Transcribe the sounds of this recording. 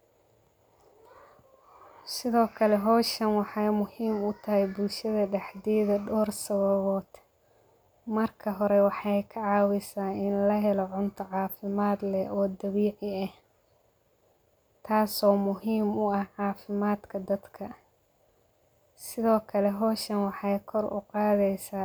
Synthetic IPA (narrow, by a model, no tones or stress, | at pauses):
sɪðɔːkʰɐlɛɦɔːʃɐnwɑħɑjmʊhiːmʊt̪ʰɐɦɛjbʊlʃɐðɐɖɛħd̪ɛːðɐɖɔːrsɐβɐβɔːd̪̥ | mɐrkʰɐɦɔɾɛwɑħɑjkʰɐʕɑːwɪsaːɪnlɐɦɛlɔʕʊnt̪ʰɔʕɑːfɪmaːd̪lɛɔːd̪ɐβiːʕɪɐh | t̪ʰaːsɔːmʊɦiːmʊɐhʕɑːfɪmaːd̪kʰɐd̪ɐd̪kʰɐ | sɪðɔːkʰɐlɛɦɔːʃɐnwɑħɑjkʰɔrʊ̰qɑːðɛjsaː